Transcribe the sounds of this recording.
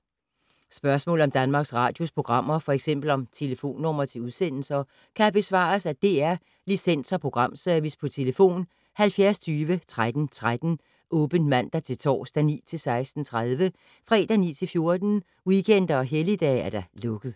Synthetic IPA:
sb̥ɶɐsmɔ̰̽l̩ɒ̽md̥ænmɑ̈ːɡ̥sʁɑ̰̈ːd̥jo̝spʰʁo̝ɡ̥ʁɑ̈m̰ɐfɒ̽eɡ̥sem̰b̥l̩ɒ̽mt͡sʰe̝ləfo̝̰ːnːɔ̽m̰ɐt͡sʰe̝uðˠsen̰l̩sɐ | kʰæb̥e̝sʋɑ̰̈ːsæd̥e̝æɐ | lisen̰sɒpʰʁo̝ɡ̥ʁɑ̈m̰søɐʋispʰɒ̽t͡sʰe̝ləfo̝̰ːn | hælfjæɐst͡sʰyːʋət͡sʰʁad̥n̩t͡sʰʁad̥n̩ | ʔɔ̽ːb̥ən̥mæn̰d̥ɑt͡sʰe̝lt͡sʰɒ̰ːsd̥ænḭːt͡sʰe̝lsɑ̈ɪsd̥n̩t͡sʰʁaðˠʋə | fʁɛ̰d̥ænḭːt͡sʰe̝lfjo̝ɐd̥n̩ | wikʰen̰d̥ɐɒ̽ɦelid̥ɛ̰ːæɐɾ̥ɑ̈lɔ̽ɡ̥ð̞̩ˠ

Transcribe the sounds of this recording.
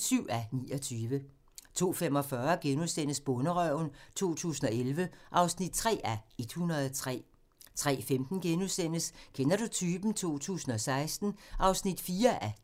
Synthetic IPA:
syʊ̰ænḭːɒ̽t͡sʰyːʋə | t͡sʰo̝̰ːfemɒ̽fɶːɐɡ̥enusen̰əsb̥ɔ̽nəʁœʊ̰nt͡sʰo̝̰ːt͡sʰṵːsn̩ɒ̽elʋəʔɑ̈ʊsnid̥̚t͡sʰʁɛ̰ːæe̝d̥hunʁɐð̞ˠɒt͡sʰʁɛ̰ː | t͡sʰʁɛ̰ːfemd̥n̩ɡ̥enusen̰əskʰenɐɾ̥ut͡sʰyːb̥n̩t͡sʰo̝̰ːt͡sʰṵːsn̩ɒ̽sɑ̈ɪsd̥n̩ʔɑ̈ʊsnid̥fiːɐʔæ

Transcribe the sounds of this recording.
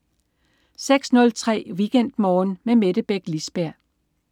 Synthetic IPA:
seɡ̥snɔ̽lt͡sʰʁɛ̰ːʋiɡ̥en̰d̥mɒːnmemeɾ̥əb̥eɡ̥lisb̥æɐ̰

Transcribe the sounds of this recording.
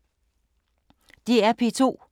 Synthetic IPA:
d̥iæɐpʰe̝t͡sʰo̝̰ː

